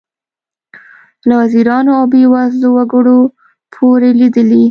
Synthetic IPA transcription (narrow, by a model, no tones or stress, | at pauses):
lawaziɾɑnoawbewɑzlowaɡəɽo | pʰoɾelid̪əli